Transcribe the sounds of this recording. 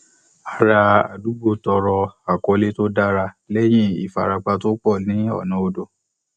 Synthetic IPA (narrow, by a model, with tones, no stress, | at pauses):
a˨ɾa˧a̰˨du˨˦ɡ͡bo˦˨tɔ˧ɾɔ˧a˨kɔ˧le˦to˦da˦ɾa˧ | lɛ˦j̃ĩ˦˨ḭ˨fa˨ɾa˧k͡pa˧to˦k͡pɔ˦˨nĩ˨˦ɔ̰˦˨nã˨˦o˧do˧˨